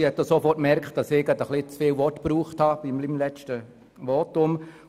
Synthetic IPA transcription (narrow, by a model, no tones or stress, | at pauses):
hɛt̚dosofɔrtmɛɾkχtd̥ɑsɪɡɑdəχlit͡sfɪːlʋɔtpruːχthɑb̥imlimlɛt͡ʃtə | ʋɔːtʊm